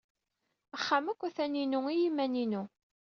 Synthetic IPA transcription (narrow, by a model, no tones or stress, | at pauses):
æχːamækʷːæθæninuijimːæninu